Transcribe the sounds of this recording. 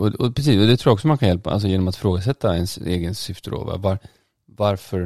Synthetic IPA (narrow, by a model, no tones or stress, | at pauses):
ɔɔpʰɾɛs̬iːsɔd̪ɛt̪ɾuːɾaɔksɔmankʰanjɛlpaʔa̰ls̬ɔjeːnɔmat̪fɾoːɡas̬ɛt̪ːaɛnsḛːɡənsʏft̪əɾo̰va̰vaɾ | vaɾfœɾ